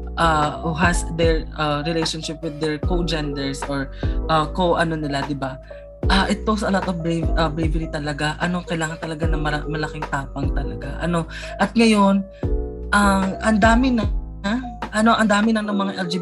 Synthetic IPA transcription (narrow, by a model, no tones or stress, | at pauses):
ʔaːhuɦɐsd̪ɛɹaɾɪlejʃonʃɪp̚wɪd̪ːɛɹkod͡ʒɛnd̪ɛɹsʔoɹʔɐkoʔɐno̞nɪlad̪ɪba | ʔɐʔɛt̪osɐʔɐlat̪ofbɹɛɐbɾɛvɛɾit̪ɐlɐɡaʔɐno̞kɐjlaːŋɐnt̪ɐlɐɡanɐmɐamɐlɐkɪŋt̪aːpɐŋt̪ɐlɐ̰ɡaʔɐ̰no̞ | ʔɐt̪̚ŋɐjo̞n | ʔɐŋʔɐnd̪aːmɪnɐ | ʔɐno̞ʔɐnd̪aːmɪnɐŋnɐŋmɐŋaʔɛld͡ʒi